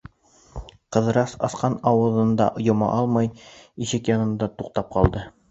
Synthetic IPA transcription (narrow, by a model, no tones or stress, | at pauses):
qɤ̆ðɤ̆ɾɑsɑsqɑnɑwɤ̆ðɤ̆nd̪ɑ̰ʔŏjŏmɑ̰ʔɑlˠmɑjiʃɘkjɑnɤ̆nd̪ɑt̪uq̚t̪ɑp̚qɑlˠd̪ɤ